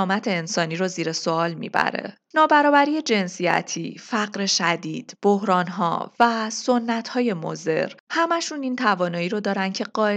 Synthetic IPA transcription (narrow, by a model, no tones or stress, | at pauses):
mæt̪ʰe̞ːnsɒːniːɾoziːɾe̞soɒːlmḭːbæ̰ɾḛ | nɒːbæɾɒːbæɾiːje̞d͡ʒe̞nsijæ̰t̪ʰiːfæɢɾe̞ʃæd̪ḭːd̪̥b̥ohɾɒːnɦɒ̰væso̞nːæt̪ʰhɒːje̞mo̰ze̞̰ɾhæmæʃuniːnt̪ʰævɒːnɒːiːɾod̪ɒːɾænd̪cʰe̞ɢɒːe